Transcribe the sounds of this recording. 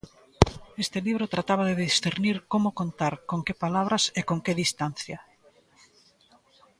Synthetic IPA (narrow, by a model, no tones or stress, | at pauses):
est̪ɪliβɾot̪ɾat̪aβ̞aðeðisθeɾniɾkomʊkont̪aɾkoŋkepalaβ̞ɾasekoŋkeðist̪anθjɐ